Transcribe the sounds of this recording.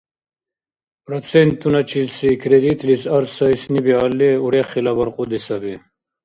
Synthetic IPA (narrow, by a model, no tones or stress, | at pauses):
pɾɐt͡sʰent̪ːunɐt͡ɕilsikɾed̪it̪lisɐɾsaisnibialːeuɾeχilɐbɐɾqud̪isɐbe